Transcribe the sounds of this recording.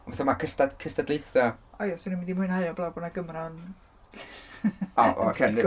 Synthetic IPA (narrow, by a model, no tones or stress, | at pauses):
ɔbɛθamakʰəstadkʰəstadlˠejθaɔjasɪnimɪndimʊɨnhajɔblˠabɔnaɡəmrɔn | ɔ̰ʔkʰɛ